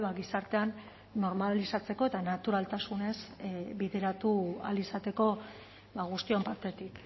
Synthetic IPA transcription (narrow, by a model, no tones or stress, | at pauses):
βaɣisaɾt̪e̞anː | o̞ɾmalisat͡se̞ko̞e̞t̪anat̪uɾalt̪asune̞sbiðe̞ɾat̪ua̰lisat̪e̞ko̞ | βaɣust̪io̞mpaɾt̪e̞t̪ik